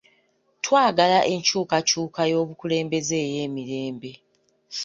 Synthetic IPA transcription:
twaːɡalaʔe̞ɲcuːkacuːkajo̞ːβukule̞ːmbe̞zeːje̞ːmiɾe̞ːmbe̞

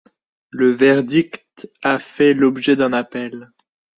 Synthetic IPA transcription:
ləvɛʁd̪ikt̪afɛlɔbʒɛd̪ɛ̃napɛl

